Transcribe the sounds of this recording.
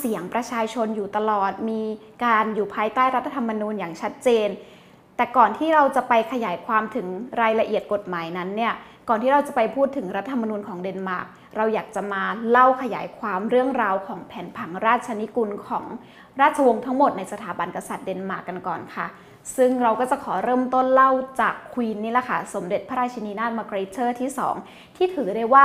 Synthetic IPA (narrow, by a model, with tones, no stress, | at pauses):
si˨˩˦əŋpɾa˧t͡ɕʰaː˧t͡ɕʰo˧njuː˨˩t̪a˧lɔː˨˩t̪̚miː˧ | kaː˧njuː˨˩pʰaː˧jt̪aː˥˩jɾa˦˥t̪ʰːa˧t̪ʰa˧mːa˧nuː˧njaː˨˩ŋt͡ɕʰa˦˥t̪̚t͡ɕeː˧n | t̪ɛː˨˩kɔː˨˩nt̪ʰiː˥˩ɾa˧wt͡ɕa˨˩ʔpa˧jkʰa˧jaː˩˦jkʰwaː˧mt̪ʰɯ˩˦ŋɾaː˧jla˧ʔi˨˩ət̪̚ko˨˩t̪̚maː˩˦jna˦˥nːi˥˩ɐkɔː˨˩nt̪ʰiː˥˩ɾa˧wt͡ɕa˨˩pa˧jpʰuː˥˩t̪ʰːɯ˩˦ŋɾa˦˥t̪ʰːaː˧t̪ʰa˧mːa˧nuː˧nkʰɔː˩˦ŋde˧nmaː˨˩k̚ | ɾa˧wjaː˨˩k̚t͡ɕa˨˩maː˧la˥˩wkʰa˧ja̰ː˩˦jkʰwaː˧mɾɯ˥˩əŋɾaː˧wkʰɔː˩˦ŋpʰɛː˩˦npʰa˩˦ŋɾaː˥˩t̪̚t͡ɕʰa˧ni˦˥ku˧nkʰɔː˩˦ŋ | ɾaː˥˩t̪̚t͡ɕʰa˧wo˧ŋt̪ʰa˦˥ŋmo˨˩t̪̚na˧jsa˧aː˩˦ba˧nka˧sa˨˩t̪̚de˧nmaː˨˩kːa˧nkɔ̰ː˨˩nkʰa̰˥˩ | sɯ˥˩ŋɾa˧wkɔː˥˩t͡ɕa˨˩kʰɔː˩˦ɾɤː˥˩mt̪o˥˩nla˥˩wt͡ɕaː˨˩kʰːwiː˧nːiː˦˥˩la˨˩kʰa˥˩so˩˦mde˨˩t̪̚pʰa˦ɾaː˧t͡ɕʰi˧niː˧naː˥˩t̪̚maː˧kɾeː˧˦˥t͡ɕʰɤː˥˩t̪ʰiː˥˩sɔ̰ː˩˦ŋ | t̪ʰiː˥˩t̪ʰɯː˩˦daː˥˩jwaː˥˩